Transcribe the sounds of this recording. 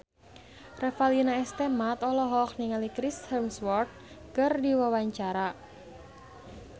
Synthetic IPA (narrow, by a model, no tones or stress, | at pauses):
rɛfalinaɛst̪ɛmat̪ɔlɔɦɔkniŋalikɾishɛmswɔrt̪̚kərdiwawaɲt͡ʃaɾa